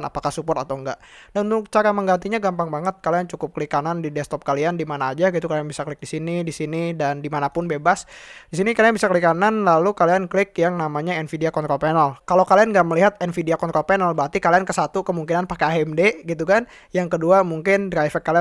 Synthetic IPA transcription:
na̰pakahsupɔt̪at̪awŋɡa̰ʔdaunt̪ʊk̚t͡ʃaɾaməŋɡant̪iɲaɡampaŋbaŋət̪̚kaliant͡ʃukʊp̚kəlikanandidɛst̪ɔp̚kaliandimanaːd͡ʒaɡit̪ukalianbisaklɪk̚disinidisinidandimanapʊnbebasdisinikalianbisakəlikananlalukalianklɪkjaŋnamaɲaɛnfideakɔnt̪ɾɔlpɛnalkalokalianŋɡaʔməliɦat̪ɛnfideakɔnt̪ɾɔlpɛnalbat̪ikaliankəsat̪ukəmuŋkinanpakeaɛmdeɡit̪̬ukan | jaŋkəduamuŋkɪndɾafɛkːalia

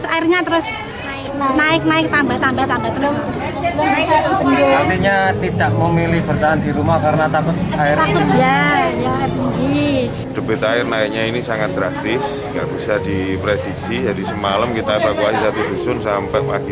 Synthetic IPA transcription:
saɪrɲat̪əɾʊs | naɪknaɪk̚naɪk̚t̪ambat̪ambaht̪ambat̪əɾʊ | aaat̪iɲat̪idaʔ̚məmilɪhb̥ərt̪aɦand̪iɾumahkaɾənat̪akʊt̪̚aɪɾt̪akʊt̪jajaɪrt̪iŋɡi | d̥əbɪt̪aɪrnaɪk̚ɲainisaŋat̪̚ɡ̥ɾast̪ɪs | ŋɡa̰ʔb̥isadipɾedik̚sid͡ʒadisəmalamkit̪aebakuasisat̪udusʊnsampɛʔpaɡi

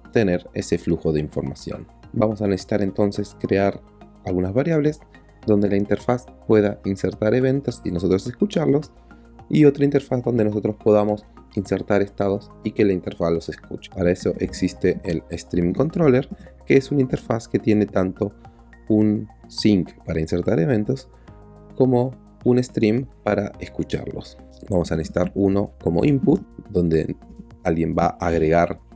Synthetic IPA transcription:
t̪e̞ne̞ɾe̞̰se̞fluxo̞ðeiɱfo̞̰ɾma̰sjo̰n | bamo̞sanesesi̥t̪aɾe̞nt̪o̞nse̞skɾeaɾ | alɣunazβaɾjaβle̞z | ðo̞nd̪e̞laint̪e̞ɾfaspwe̞ðainseɾt̪aɾe̞β̞e̞nt̪o̞sinos̬o̞t̪ɾoseskut͡ʃaɾlo̞s | io̞t̪ɾaint̪e̞ɾfazðo̞nd̪enos̬o̞t̪ɾo̞spo̞ð̞amo̞s | inseɾt̪aɾe̞st̪aðo̞s | ike̞laint̪eɾfaslo̞se̞skṵt͡ʃe̥paɾaeso̞ʔeksist̪eʔːlest̪ɾimiŋko̞nt̪ɾo̞leɾkeesunint̪eɾfaske̞t̪je̞ne̞t̪ant̪o̞ | unsiŋkpaɾainseɾt̪aɾe̞β̞e̞nt̪o̞s | ko̞mo̞ | une̞st̪ɾimpaɾaeskut͡ʃa̰ɾlo̞̰s | bamo̞sanesi̥t̪aɾuno̞ko̞mo̞̰ʔimput̪̚d̪o̞nd̪ḛalɣje̞mbaʔaɣɾe̞ɣaɾ

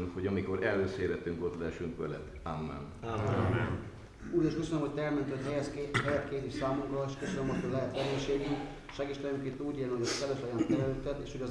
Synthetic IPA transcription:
nhoɟɒmiko̞ɾɛlːøseːɾɛt̪ːyŋkot̪lɛɛʃyŋkʋɛlɛ̰t̪amːɛ̰namɛn | uːɾeːʃkøsønømhoc̚ʲt̪ɛɛlmɛnt̪yhochɛjɛskːɦɛjɛt̪keːzeːʃsaːmukrɒeːʃkøsønømothoɟlɛɦɛt̪ʋɛɡeːʃeːdniŋ | ʃɛɡiʃt̪ɛjøŋkeːnt̪uːɟeːlniɦoɟɒskɛløʃojɒnt̪ɛløt̪ɛt̪eːʃhoɟɒ

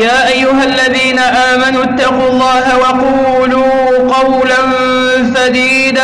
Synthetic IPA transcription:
jaːʔajːʊɦalːaðiːnaʔaːmanuːt̪ːɑquːlˤːɑːɦawɑquː | luː | qɑwlan | sad̪iːd̪a

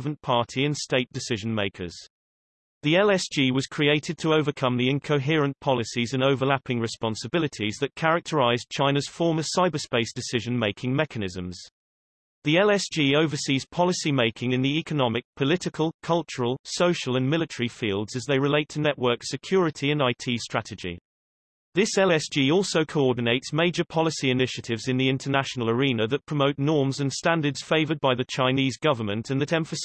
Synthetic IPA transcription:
və̃npʰɑˑtʰiɪ̃nsteɪʔ̚d̥ɪsɪʒə̃nmeɪkʰə̰z̥ | ðiɛlɛsʒ̥iːwɒz̥kʰɹ̥ieɪtʰɪd̚tʰəəʊvəkʰʌ̃mðiɪ̃nkʰəʊɦɪəɹə̃npʰɒlɪsizə̃nəʊvəlapɪ̃ŋɹɪspɒ̃nsəbɪlɪtʰizðət̚kʰaɹək̚tʰəɹaɪzt͡ʃʰãɪ̃nəz̥fɔːməsaɪbəspeɪsd̥ɪsɪʒə̃nmeɪkʰɪ̃ŋmɛkʰənɪzə̃mz̥ | ðilɛsʒ̥iːəʊvəsiːz̥pʰɒlɪsimeɪkʰɪ̃ŋɪ̃nðiɛkənɒmɪk̚pʰəlɪtɪkʰəlˠkʰʌlˠt͡ʃəɹəlˠsəʊʃəlˠə̃nmɪlɪtʰəɹifiːlˠdz̥əzðeɪɹɪleɪtʰənɛʔwɜˑ˞ksɪkʰj̥ɔːɹɪtʰiə̃naɪtʰiːstɹ̥atɪd͡ʒḭ | ðɪsɛlɛsd̥ʒ̥iːɔˑlˠsəʊkʰəʊɔːdⁿn̩eɪtsmeɪd͡ʒəpʰɒlɪsiɪnɪʃətʰɪvzɪ̃nðiɪ̃ntʰənaʃənəl̩ˠəɹĩnəðəʔ̚pʰɹ̥əməʊʔnɔːmzə̃nstãndədz̥feɪvəd̚baɪðət͡ʃʰãɪ̃niːzɡʌvəmə̃ntʰə̃nðəɾɛ̃ɱfəs

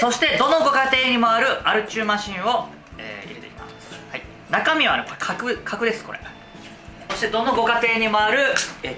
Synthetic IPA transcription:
so̞ɕi̥t̪e̞d̪o̞no̞ɡo̞kat̪e̞ːɲ̟imoaɾɯ̟aɾɯ̟t͡ɕɨːmãɕĩɰ̃o̞ | ḛːḭɾet̪ekima̰shai | nakamʲiβanokkʰakɯ̟kʰakɯ̟d̪esɨ̥ko̞ɾe̞̰ | so̞ɕi̥t̪e̞d̪onoɡo̞kat̪e̞ːɲ̟imoaɾɯ̟

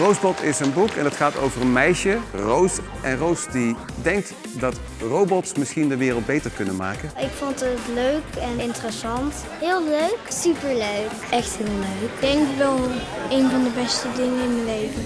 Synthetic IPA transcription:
rowzbɔtʰɪsənbukɛ̰ndɑtχaːto̰wvərənmɛjʃərows | ʔɛnrowsdi | dɛŋk̚t | dɑt | rowbɔtsmɪsχindəʋɪːrəlˠd̚bejtəɹkɵnənma̰ːkənɪkfontətløɥkɛnɪntərəsɑnt | ɦɪːlˠløɥksypəɹløɥkɛxtɦɪːlˠløɥkd̥ɛŋkʋɛlˠejnvɑndəbɛstədɪŋəɪnməlejvə

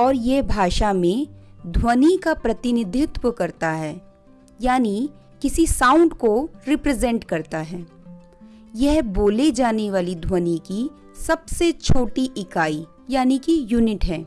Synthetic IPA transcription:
ɔːɾjɛɦbʱaːʃamẽd̪ʱwənikapɾɐt̪ɪnɪd̪ʱɪt̪wəkɐɾt̪aɦɛː | jaːni | kɪsisãːʊ̃ɳɖkoɾɪpɾɛzɛ̃ɳʈkɐɾt̪aɦɛː | jɛɦboːled͡ʒaːneʋaːlid̪ʱwəniki | sɐbset͡ʃʰoːʈiʔɪkaːi | jaːnikijuːnɪʈɦɛː

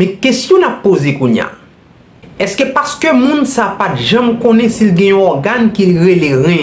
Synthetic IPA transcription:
mɛ̃kesjɔ̃napːozekũɲja̰ | ɛskøpaskømũnsapatʒɐ̃mkõnɛ̃silɡɛ̃jɔ̃ɔɡankiliʁeleɣɛ̃

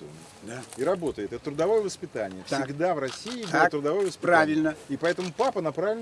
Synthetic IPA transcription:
ənəd̪aiɾɐbo̞t̪əjɪt̪ɛt̪t̪ːɾʊd̪ɐvo̞jəvəspʲɪt̪anʲɪjəfssɪɡd̪avrɐsʲiːɪbt̪ːɾʊd̪ɐvo̞jvəspɾavʲɪlʲnəipɐɛt̪əmʊpapənɐpɾavʲɪlʲn

